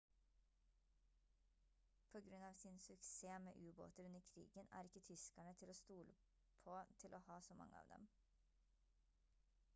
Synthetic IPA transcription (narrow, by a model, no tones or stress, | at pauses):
pʰoːɡɾʉnɑːʋsɪnsʉkseːmḛːʔʉːbo̰ːt̪əɾʉnəɾkʰɾḭːɡənæ̰ːɾɪkːət̪ʰʏskæɳət̪ʰɪloːst̪uːlə | pʰoːt̪ʰɪlʔoːhɑːsoːmɑ̰ŋəɑ̰ːʋd̪ɛ̰m